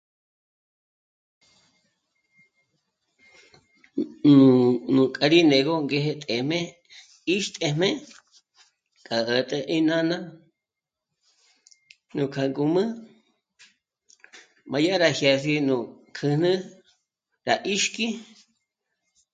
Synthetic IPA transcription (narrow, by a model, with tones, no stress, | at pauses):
nũ˨nũ˨kʼa˧ɾi˦ne˨ɣo˦ŋɡe˧ɦe˧t̪ʼe˨mẽ˦ | i˦ʃt̪ʼe˧m̥ẽ˦ | kʼa˨ʔə˨t̪ʼe˧ʔi˦nã˦nã˦ | nũ˨kʰa˨ŋɡu˧mɨ̃˦ | mã˨˧ja˦ɾa˨hja˧si˧nũ˨kʰɨ˧n̥ɨ̃˦ | ɾa˨ʔi˦ʃki˦